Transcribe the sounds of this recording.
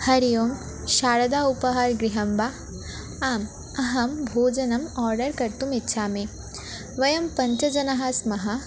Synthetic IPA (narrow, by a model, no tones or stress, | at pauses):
hɐɾijoːm | ʃaːɾɐd̪aːupɐɦaɾɡɾiɦɐmbaː | aːm | ɐɦɐmbʱoːd͡ʒɐnɐmɔːɾɖɐɾkɐɾt̪umitːʃʰaːme | ʋɐjɐmpɐɲt͡ʃɐd͡ʒɐnɐɦasmɐɦɐ